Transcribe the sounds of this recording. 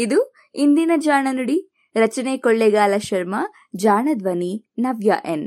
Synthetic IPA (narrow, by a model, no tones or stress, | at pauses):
id̪u | ind̪inɐd͡ʒaːɳɐnuɽi | ɾɐt͡ʃɐneːkoɭːeɡaːlɐʃɐɾmɐ | d͡ʒaːɳɐd̪ʋɐni | nɐʋjɐ̰ʔen